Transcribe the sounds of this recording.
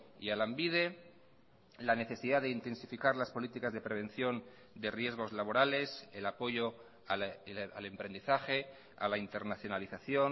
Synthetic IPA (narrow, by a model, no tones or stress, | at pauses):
ḭalambið̞e̞ | lane̞θe̞siðaðeint̪e̞nsifikaɾlaspo̞lit̪ikazðe̞pɾe̞β̞e̞nθjo̞n | d̪e̞rje̞zɣ̞o̞zlaβ̞o̞ɾale̞selapo̞ʝo | aa̰le̞mpɾe̞nd̪iθaxe̞ | a̰laint̪e̞ɾnaθjo̞naliθaθjo̞n